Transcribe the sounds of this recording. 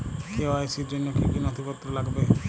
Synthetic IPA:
keoajsiɾd͡ʒonːokʰikinɔt̪ʰipɔt̪ːɾɔlaɡbe

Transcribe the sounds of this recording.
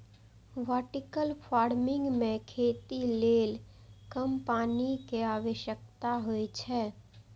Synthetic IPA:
ʋaːʈɪkəlpʰaːɾmɪ̃ŋɡmẽkʰeːt̪ileːl | kəmpaːnikeaːʋəʃjək̚t̪aɦoet͡ʃʰɛː

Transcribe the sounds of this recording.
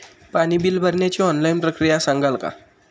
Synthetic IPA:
paɽ̃ibilbʱəɾɳjat͡ɕiɔnlajnpɾəkɾijasãŋɡalka̰

